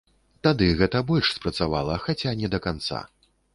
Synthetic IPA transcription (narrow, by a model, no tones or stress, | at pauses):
t̪ad̪ɨɣɛt̪ɐbɔlʲʂspɾɐt̪savalˠɐxat͡sʲanʲɛd̪ɐkant̪sa̰